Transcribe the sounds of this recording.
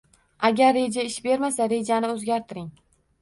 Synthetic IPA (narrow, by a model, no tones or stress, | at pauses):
aɡʲaɾːe̞d͡ʒaɪʃbe̞ɾmasaɾe̞d͡ʒanɪɵzɡʲaɾt̪ʰɪɾɪŋ